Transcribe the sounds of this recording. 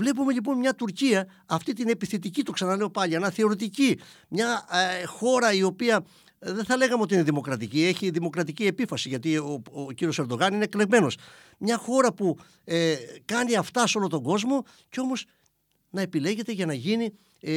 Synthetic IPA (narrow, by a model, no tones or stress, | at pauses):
vle̞pume̞ʎip̬o̞nmɲɐt̪uɾciɐː | ft̪it̪ine̞piθet̪̬icit̪o̞ksɐnɐle̞o̞pɐʎiɐnɐθe̞o̞ɾit̪̬ici | mɲɐxo̞ɾɐio̞piɐ | ðeθɐle̞ɣɐmeot̪iineðimo̞kɾɐt̪icie̞çiðimo̞kɾɐt̪̬icie̞pifɐsiʝɐt̪iociɾio̞se̞ɾd̪o̞ɣɐnineekle̞ɣme̞no̞s | mɲɐxo̞ɾɐpu | kɐniɐft̪ɐso̞lot̪o̞ɡo̞zmo̞ | ceo̞mo̞s | nɐe̞pile̞ʝe̞t̪e̞ʝɐnɐʝini